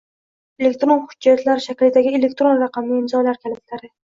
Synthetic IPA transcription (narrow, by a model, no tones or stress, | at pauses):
elekʲt̪ɾonhʊd͡ʒːat̪laɾʃækʲlɪd̪aɡʲielek̚ʲt̪ɾonɾɑqɑmnɪɪmzɒjlaɾkʲʰælɪt̪laɾɪ